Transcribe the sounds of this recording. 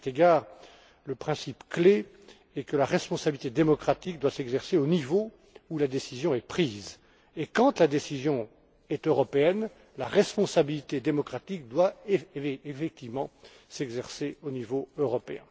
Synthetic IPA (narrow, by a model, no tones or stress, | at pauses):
t̪eɡaːʁ | ləpχɛ̃sipkle | ɛkəlaʁɛspɔ̃sabilit̪ed̪emɔkχat̪ik̚d̪wasɛɡzɛʁseonivo | ulad̪esizjɔ̃ɛpχiːz | ekɑ̃t̪lad̪esizjɔ̃ | ɛt̪øʁɔpeɛn | laʁɛspɔ̃sabilit̪ed̪emɔkχat̪ik̚d̪wa | efɛk̚t̪ivmɑ̃ | sɛɡzɛʁseonivoøʁɔpeɛ̃